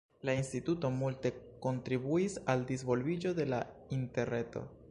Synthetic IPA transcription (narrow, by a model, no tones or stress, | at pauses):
lainstituto̞multe̞ko̞ntɾibuisaldis̬vo̞lvid͡ʒo̞de̞lainte̞ɾne̞to̞̰